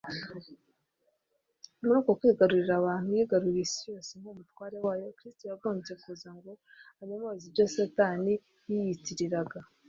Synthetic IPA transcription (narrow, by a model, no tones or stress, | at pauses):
muɾuːko̞kwiːɡaɾuɾiɾaβaːn̥hujiːɡaɾuɾisijo̞ːseŋ̥umutwaːɾe̞waːjo̞kɾistojaβoːɲze̞kuːzaŋɡo̞ | aɲomoziɾjosataːni | jijitiɾiɾaɡa